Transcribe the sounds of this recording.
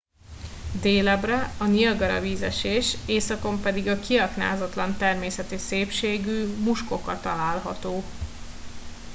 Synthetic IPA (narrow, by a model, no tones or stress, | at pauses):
d̪eːlɛbrɛɒnilɡɒɾɒ̰viːzɛʃeːʃeːsɒko̞mpɛd̪iɡɒkiɒkna̰ːzɒt̪lɒnt̪ɛrmeːsɛt̪iseːpʃeːɡyːmuʃko̞kɒt̪ɒlaːlɦɒ̰t̪oː